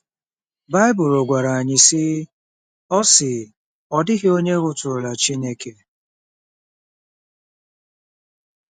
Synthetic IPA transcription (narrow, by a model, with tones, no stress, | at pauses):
ba˦ɪ˦bʊ˨ɾo˨ɡʷa˨ɾa˨a˨ɲɪ˨sɪ˦ | ɔ˦sɪ˨ | ɔ˦dɪ˦ɣɪ˦o˦ɲe˦ɣʊ˦tʊ˨ʊ˨la˨t͡ʃi˦ne˦ke˨